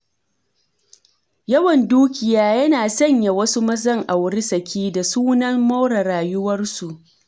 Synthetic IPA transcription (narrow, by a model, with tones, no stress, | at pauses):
jɐ˦wɐ˨nduː˦kʲɪ˨jaː˦jɐ˦naː˨sɐ˦ɲja˨wɐ˦su˦mɐ˦zɐ˦ŋʔa˨wɽɪ˦sɐ˨kʲiː˦da˨suː˦nɐ˦mːa˦wɽa˨ɽaː˨jʊ˦wɐ˦rsu˨ʔ